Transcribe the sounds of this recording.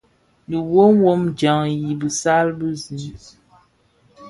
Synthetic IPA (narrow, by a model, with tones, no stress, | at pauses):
li˨wo˦m˦wo˦md͡ʒa˨ŋji˨bə˨sa˦lbɨ˦zi˨˦m